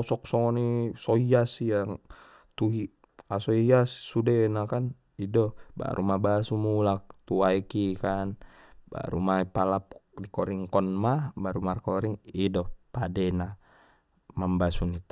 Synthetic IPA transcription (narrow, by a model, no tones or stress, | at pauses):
ɔsɔk̚sɔŋɔnisoiasijaŋ | t̪uɦi | asoiassudenakan | idɔba̰ɾʔumabasumulak̚t̪uaikikanba̰ɾṵmaipalap̚ | dikɔɾiŋkɔnmabaɾumarkɔɾiŋidɔpadɛna | mambasunit̪a